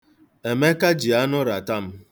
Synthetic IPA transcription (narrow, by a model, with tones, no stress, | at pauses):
e˨me˦ka˦d͡ʒi˨a˦nʊ˦ɾa˨ta˦m̩˦